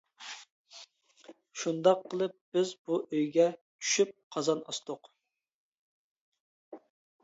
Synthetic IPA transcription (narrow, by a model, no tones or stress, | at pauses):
ʃund̪ɑqʰːəlˠɨp̚b̥ɪzbuʔøjɡʲɛ | t͡ʃʰy̥ʃyp̚qʰɑzɑnɑ̰st̪oq